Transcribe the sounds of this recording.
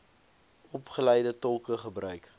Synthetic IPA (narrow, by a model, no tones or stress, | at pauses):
ɔpχəlɛjdətɔlˠkəχəbrœɥk